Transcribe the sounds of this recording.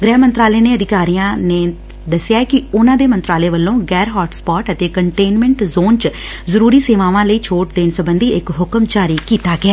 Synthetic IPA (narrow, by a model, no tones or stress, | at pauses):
ɡɾɛːmənt̪ɾaːleːneːəd̪ɪkaːɾijãːneː | d̪əsːɪjaːɛkɪʊnãːd̪eːmənt̪ɾaːleːʋəlːõːɡɛːɾɦɔːʈspɔːʈət̪eːkəɳʈeːnmɛ̃ːɳʈzoːnt͡ʃ | zəɾuːɾiːseːʋaːʋãːləiːt͡ʃʰoːʈd̪eːnsəbənd̪iːɪkɦʊkəmt͡ʃaːɾiːkiːt̪aːɡɪaː